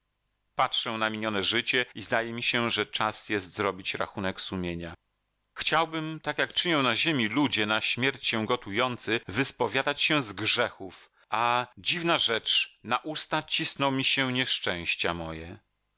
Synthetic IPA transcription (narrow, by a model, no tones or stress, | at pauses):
patʂɛnamʲiɲɔnɛʐɘt͡ɕɛizd̪ajɛmʲiɕɛʐɛt͡ʂasjɛst̪zɾɔbʲit͡ɕɾa̰xunɛksumʲjeɲa | xt͡ɕawbɘmt̪akjakt͡ʂɘɲɔ̃w̃naʑemʲilud͡ʑɛnaɕmʲjɛɾt͡ɕɕɛ̃ɡɔt̪ujɔnt̪sɘvɘspɔvʲjad̪at͡ɕɕɛzɡʐɛxuf | ad͡ʑivnaʐɛt͡ʂnaʔust̪at͡ɕisnɔwmʲiɕɛɲɛʂt͡ʂɛ̃w̃ɕt͡ɕamɔjɛ